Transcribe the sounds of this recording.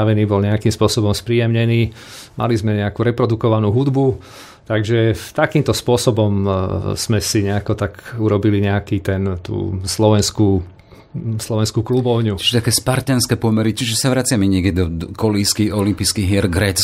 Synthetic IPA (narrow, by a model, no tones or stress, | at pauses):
aʋɛniːbɔlɲɛakiːmspʊɔsɔbɔmspɾijɛmɲɛniː | mʔa̰lizmɛɲɛakuːɾɛpɾɔd̪ukɔʋanuːɦud̪bu | t̪aɡʒɛt̪akiːmt̪ɔspʊɔsɔbɔmz̥mɛsiɲɛakɔt̪akuɾɔbiliɲɛakiːt̪ɛnt̪ṵːslɔʋɛnskuː | slɔʋɛnskuːklubɔʊɲut͡ʃi̥ʒɛt̪akɛːspaɾt̪ɛnskɛpɔmɛɾit͡ʃiʒɛsaʋɾat͡sɪamɛɲɪɛkɛid̪ɔkɔliskiɔlimpiːskiɦɪɛɾɡɾɛːt͡s